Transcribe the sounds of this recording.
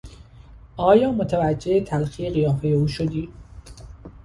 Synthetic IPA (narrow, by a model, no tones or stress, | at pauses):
ʔɒːjɒːmot̪ʰævæd͡ʒːeet̪ʰælxijeɣijɒːfejeuːʃod̪iː